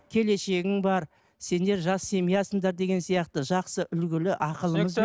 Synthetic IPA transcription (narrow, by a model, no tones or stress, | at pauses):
kʲʰe̞le̞ʃe̞ɡʲɪŋbɑɾ | se̞nd̪e̞ɾʒɑsːe̞mijɑsəɴd̪ɑɾd̪e̞ɡʲe̞nsijɑqt̪əʒɑqsəʔʏlɡʲɪlɪʔɑqəlˠəɴəz